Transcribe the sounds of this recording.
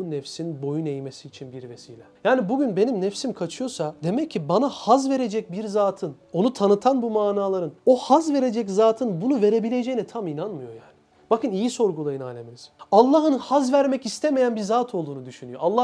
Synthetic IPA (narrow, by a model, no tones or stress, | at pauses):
unɛfsinbo̞junejme̞siːt͡ʃʰinbiɾve̞siːlʲɛjaːnibuɟynbe̞nimnɛfsimkʰat͡ʃʰɯjo̞sad̪e̞mɛcʰːibanahazve̞ɾe̞d͡ʒɛc̚biɾzaːt̪ʰɯn | o̞nut̪ʰanɯt̪ʰanbumaːnaːlˠaɾɯno̞hazve̞ɾe̞d͡ʒɛczaːt̪ʰɯnbunuve̞ɾe̞bilʲe̞d͡ʒejinit̪ʰaminanmɯjo̞jaːni | bakɯnijiso̞ɾɡulˠajɯna̰ːlʲeminiz̥alˠːaɦɯnhazvæɾmɛcist̪ʰe̞me̞jænbiɾzaːt̪ʰo̞lˠd̪uːnud̪yʃynyjo̞alˠːa